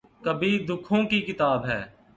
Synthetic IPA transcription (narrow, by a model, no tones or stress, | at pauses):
kəbid̪ʊkʰõkikɪt̪aːbɦɛː